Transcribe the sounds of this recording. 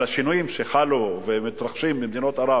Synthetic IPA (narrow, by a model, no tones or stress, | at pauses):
laʃinujimʃeχaluvemit̪ɾaχʃimbimd̪ino̞t̪aɾa